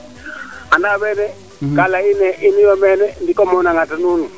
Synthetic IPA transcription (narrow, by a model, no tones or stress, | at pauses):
andaβɛːnɛ | kʼalainɛʔiniwɔmɛnɛndikɔmɔnaŋatanuːnu